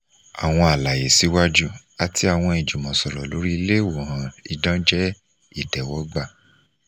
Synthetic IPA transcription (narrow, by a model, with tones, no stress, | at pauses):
a˨w̃ɔ̃˧a˨la˨je˨si˨˦wa˦d͡ʒu˦ | a˧ti˦a˦˨w̃ɔ̃˧i˨d͡ʒu˨mɔ̃˨sɔ˨ɾɔ˨lo˨˦ɾi˦i˧le˦˨wo˨hã˨i˧dã˦d͡ʒɛ˦ | i˦˨tɛ˨wɔ˨˦ɡ͡ba˦˨